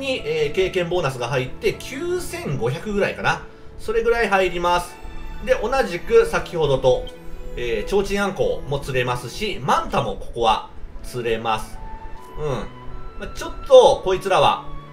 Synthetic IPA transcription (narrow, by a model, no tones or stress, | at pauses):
ɲ̟ieːke̞ːkẽ̞mbo̞ːnas̬ɨɡaɦait̪ːe̞kʲʰɨːsẽ̞ŋɡo̞çʲakɯ̟ɡɯ̟ɾaikana | so̞ɾe̞ɡɯ̟ɾaiɦaiɾʲimasɨ̥d̪e̞ʔo̞naʑikɯ̟sakʲiho̞d̪o̞t̪o̞eːt͡ɕo̞ːt͡ɕĩãŋko̞̰ːmo̞t͡sɨɾe̞masɨɕimãnt̪amo̞̰ko̞̥ko̞βa̰t͡sɨɾe̞masɨ̥ | ɯ̟̃ɴ | mat͡ɕo̞t̪ːo̞ko̞it͡sɨɾaβa̰